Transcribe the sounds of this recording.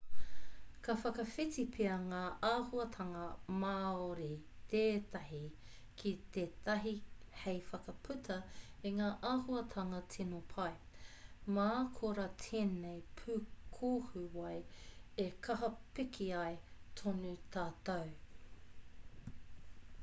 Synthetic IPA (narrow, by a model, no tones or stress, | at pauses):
kɐfɐkɐfitipʰeɐŋaːʔaːhuɐt̪ʰɐŋɐmaːoɾit̪ʰeːt̪ɐɦi | kʰit̪eːt̪ʰɐɦihejfɐkɐpʰʉt̪ʰɐiŋaːʔaːhuɐtʰɐŋɐtʰinopʰɐj | makʰoɾatʰeːnejpʰʉkʰohʉwɐjekʰɐɦɐpɪkʰiɐjtʰonut̪ʰaːt̪ɐw